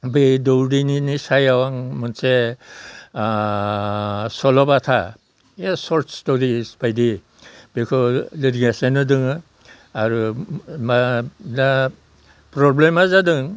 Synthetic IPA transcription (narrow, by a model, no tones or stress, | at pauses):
bedɔwɾininisajawaŋmɔnse | sɔlɔbatʰa̰ | esɔɾtstɔɾisbajdi | bekʰɔlidɡesenɯdɯŋɯ | aɾumana | pɾɔblemazadɯŋ